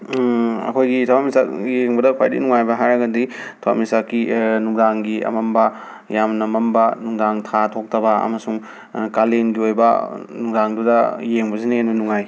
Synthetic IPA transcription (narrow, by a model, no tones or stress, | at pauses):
ɐ̰kʰojɡitʰawamisakjeŋbɐdɐkʰwa̰jdḭnuŋajbɐɦajɾɐɡɐdi | tʰowa̰p̚misakːinuŋdaŋɡiɐ̰mɐmbɐ | jamnɐmɐmbɐnuŋdaŋtʰatʰok̚tʰɐbɐɐ̰mɐsuŋ | kalenɡiojbɐ̰nuŋdaŋdudɐjeŋbɐsinɐenbɐnuŋaj